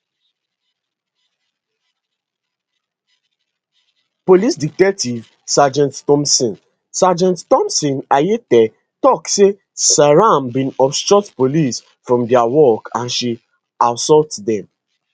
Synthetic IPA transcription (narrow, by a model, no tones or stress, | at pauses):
polisdik̚tɛtiv | sad͡ʒãnttɔ̃msɔ̃n | sad͡ʒãnttɔ̃msɔ̃najetɛ | tɔkse | saɹãmbĩnɔpstɹɔtpolis | fɹɔ̃mdɛawɔkʰãnʃi | aʊsɔltdɛ̃m